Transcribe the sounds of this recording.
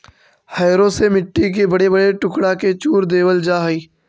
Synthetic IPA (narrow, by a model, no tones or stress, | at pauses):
haːɾõsemɪʈːik̬ebɐɽebɐɽeʈʊkɽaket͡ʃuːɾd̪eːʋəld͡ʒaːɦiː